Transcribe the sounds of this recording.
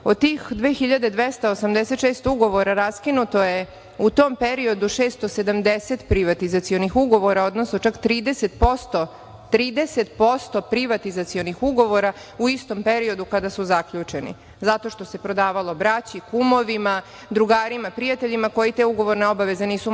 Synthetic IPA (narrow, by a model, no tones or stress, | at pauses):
od̪̚t̪iːxd̪ʋeːxiʎad̪ed̪ʋest̪aosamd̪ese̞t̪ʃeːst̪uɡo̞ʋo̞ɾaɾaskinut̪oje | ut̪o̞ːmpe̞ɾio̞d̪uʃeːst̪o̞se̞d̪amd̪eset̪pɾiʋat̪izat̪sio̞nixuɡo̞ʋo̞ɾaod̪nosnot͡ʃakt̪ɾiːd̪eset̪̚po̞st̪o | t̪ɾiːd̪e̞se̞t̪̚po̞st̪o̞pɾiʋat̪izat̪sio̞nixuɡo̞ʋo̞ɾa | uist̪o̞mpeɾio̞d̪ukad̪asuzakʎut͡ʂenḭ | zat̪o̞ʃt̪o̞se̞pɾo̞d̪aːʋalˠo̞bɾat͡ɕikumo̞ʋima | d̪ɾuɡaːɾimapɾijat̪eʎimako̞jit̪eːuɡo̞ʋo̞ɾne̞o̞baʋe̞ze̞niːsu